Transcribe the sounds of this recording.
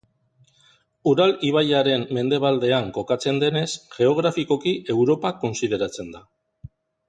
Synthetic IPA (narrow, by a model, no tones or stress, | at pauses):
uɾaliβ̞ajaɾe̞mːe̞nd̪e̞β̞ald̪e̞aŋko̞kat͡se̞nd̪e̞ne̞sʝe̞o̞ɣ̞ɾafiko̞kie̞wɾo̞pako̞nsið̞e̞ɾat͡se̞nd̪a